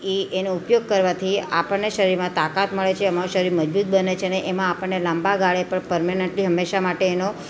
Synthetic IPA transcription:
eenoupjoɡ̚kəɾʋat̪ʰia̰pəɳneʃəɾiɾmãt̪akat̪məɭet͡ʃʰeəmaɾõʃəɾiɾməd͡ʒbut̪̚bənet͡ʃʰeneʔemãːpəɳnelãmbaɡaɭepəɳpəɾmaneɳʈliɦəmːeʃamaʈeːno

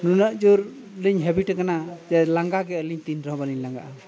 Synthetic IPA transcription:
nunəʔd͡ʒuɾ | liɲɦɛbiʈkanad͡ʒɛlaŋɡaɡɛəliɲt̪inɾɔɦbaliɲlaŋɡa̰ʔa

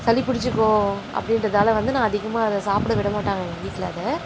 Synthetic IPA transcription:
sɐlɪpʊɽɪt͡ʃːɯkːõːʔɐ̰pːɐɽɪnɾɐðaːlɐʋɐnd̪ɯnãːɐðɪɣɐmaːɐðɐsaːpɪɽɐʋɪɽɐmaːʈːaːŋɡɐʋiːkːɐlɐːðɐ

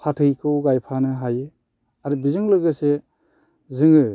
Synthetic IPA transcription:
pʰatʰɯjkʰɯwɡajpʰanɯɦaje | aɾɯbizɯŋlɯɡɯse | zɯŋɯ

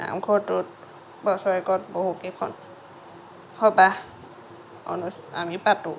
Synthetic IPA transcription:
na̰mkʰotut̚ | bɔsɔjkɔt̚bɔhukekʰɔ̰n | hɔba | ɔ̰nusa̰mipatu

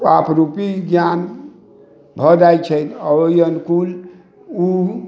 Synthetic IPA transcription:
apʰɾupiɡjan | bʱɔd̪ajt͡ʃʰət̪əjənkul | u

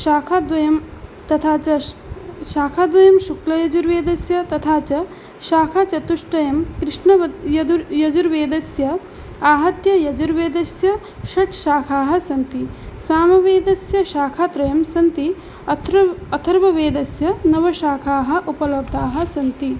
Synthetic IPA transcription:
ʃaːkʰad̪ʋɐjɐmt̪ɐt̪ʰaːt͡ʃɐ | ʃaːkʰaːd̪ʋɐjɐmʃuklɐjɐd͡ʒuɾʋeːd̪ɐsjɐt̪ɐt̪ʰaːt͡ʃɐ | ʃaːkʰat͡ʃɐt̪uʂʈɐjɐmkɾɪʂɳɐɐjɐd̪uɾjɐd͡ʒuɾʋeːd̪ɐsjɐ | aːɦɐt̪jɐjɐd͡ʒuɾʋeːd̪ɐsjɐ | ʃɐʈʃaːkʰaːɦɐ̆sɐnt̪isaːmɐʋeːd̪ɐsjɐʃaːkʰaːt̪ɾɐjɐmsɐnt̪i | ɐt̪ɐt̪ʰɐɾʋɐʋeːd̪ɐsjɐnɐʋɐʃaːkʰaːɦɐ̆ʔupɐlɐb̚d̪ʱaːɦɐ̆sɐnt̪i

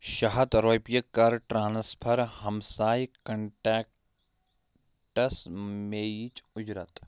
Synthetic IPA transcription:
ʃɐɦɐt̪ɾoːpjɐkːɐɾʈɾaːnspʰɐɾɦɐmsaːjkɐɳʈɛːk̚ | ʈɐsmeːjit͡ʃʊd͡ʒɾɐt̪

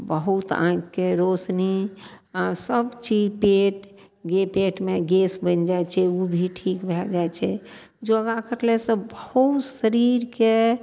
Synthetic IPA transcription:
bəɦut̪ã̰kkːeɾosniasəbt͡ʃid͡ʒpeʈ | ɡepeʈmeɡesbənd͡ʒajt͡ʃʰɛubʱiʈʰikbʱɛld͡ʒaet͡ʃʰɛ | d͡ʒoɡakəɾlesə̃bəɦut̪səɾiɾke

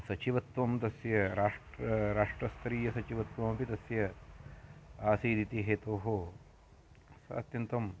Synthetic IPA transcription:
sɐt͡ʃiʋɐt̪ʋɐmt̪ɐsjɐɾaːʂʈɾɐɾaːʂʈɾɐst̪ɾiːjɐsɐt͡ʃiʋɐt̪ʋɐmɐpit̪ɐsjɐ | aːsiːd̪it̪iɦeːt̪oːɦoː | sɐ̰t̪jɐnt̪ɐm

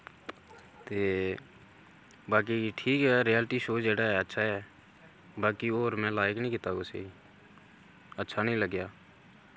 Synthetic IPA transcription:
t̪eː | baːk̬iʈʰiːkɦɛːɾijəlʈiʃoːd͡ʒeːɽaɦɛːətːʃʰaɦɛː | baːkioːɾmɛ̃ːlaːɪknəɦĩːkɪt̪aosḛ | ətːʃʰanəĩləɡjaː

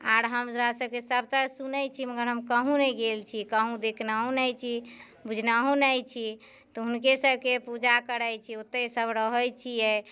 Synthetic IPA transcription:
aɾɦəmsɾasəb̚kesəb̚ʱt̪əɾsunəjt͡ʃʰiməɡəɾɦəmkəɦũneɡelt͡ʃʰikəɦũd̪ekʰnaɦũnɛjt͡ʃʰi | bud͡ʒʱnaɦũnəjt͡ʃʰi | t̪ɔɦunkesəbʱkepud͡ʒakəɾəjt͡ʃʰiot̪ːəsəbɾəɦəjt͡ʃʰijɛ

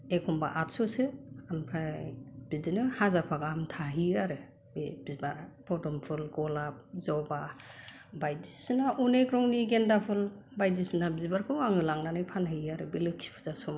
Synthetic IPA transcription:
ekʰɔmba̰ʔat̚sɔsɯampʰɾab̥idinɯhazapʰaɡamtʰaɦiaɾɯ | bebizbaɾpʰɔdɔmpʰɯlɡɔlap̚zɔba | bajdisɯnaʔunekɾɔŋniɡendapʰɯl | bajdisinabizbaɾkʰɯwaŋɯlaŋnanɯjpʰanaiaɾɯbilɯksʰi̥pʰɯzasɔm

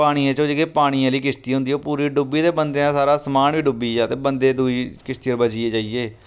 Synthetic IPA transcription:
aːɽ̃iːãːt͡ʃõːd͡ʒeːɡeːpaːɽ̃iãːliːkɪst̪iːɦʊ̃nd̪iːɦoːpuːɾiːɖʊbiːd̪eːbənd̪eːãːsaːɾaːsəmaːnʋiːɖʊbiːaːt̪eːbənd̪eːd̪uːiːkɪst̪ɪjəɾbəd͡ʒɪeːd͡ʒaːieː

